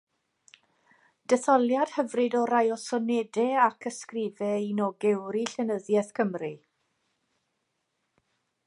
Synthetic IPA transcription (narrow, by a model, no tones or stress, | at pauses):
d̥ɛθɔlˠjad̥həvrɨdɔɾajɔsɔnɛdɛakʰəskrɪːvɛinɔɡɛwɾiɬɛnəðjɛθkʰəmri